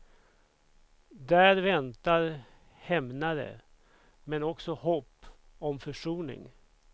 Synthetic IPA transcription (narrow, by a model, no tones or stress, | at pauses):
d̪æːɾvɛnt̪aɾ | hɛmnad̪ə̰ | mɛnɔksɔhɔpː | ɔmfœʂuːnɪ̰ŋ